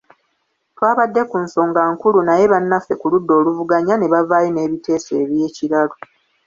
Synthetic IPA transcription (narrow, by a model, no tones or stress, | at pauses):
twaːβadːe̞kunso̞ːŋɡaŋkulunaje̞βanːafe̞kuludːo̞ːluvuɡaɲane̞βavaːjene̞ːβite̞ːse̞ːβje̞ːciɾalo